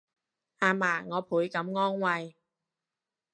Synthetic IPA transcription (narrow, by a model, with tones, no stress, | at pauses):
haː˧maː˨˩ŋɔː˨˧pʰuː˨˥jkɐ˨˥mŋɔː˥ŋwɐ˧j